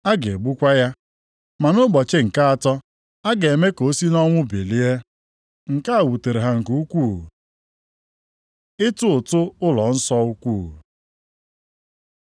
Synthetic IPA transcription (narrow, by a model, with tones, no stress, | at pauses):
a˦ɡe˨ɡ͡bu˦kʷa˦ja˦ | ma˨nʊ˦ɡ͡bɔ˨t͡ʃe˦ŋ̩˨ka˦a˨tɔ˦ | a˦ɡe˨e˨me˦ko˨˦si˦nɔ˦ŋʷʊ˦be˨li˦e˦ | ŋ̩˨ka˦a˨wu˨te˨ɾe˨ɦa˨ŋ̩˨ku˦u˦kʷu˦˨ | ɪ˦tʊ˦ʊ˨tʊ˦ʊ˦lɔ˨n̩˦sɔ˦u˦kʷu˦˨